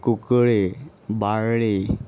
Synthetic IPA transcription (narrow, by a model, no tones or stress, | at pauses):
kukɭe | baɾɭe